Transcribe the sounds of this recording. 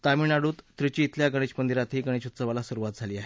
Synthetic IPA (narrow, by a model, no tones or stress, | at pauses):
t̪amiːɳaɽuːt̪ːɾit͡ɕiːt̪ljaɡəɽ̃it͡ɕmənd̪iɾat̪ɦiɡəɽ̃it͡ɕut̪t͡səʋalasuɾuʋat̪̚d͡zʱaliːaɦe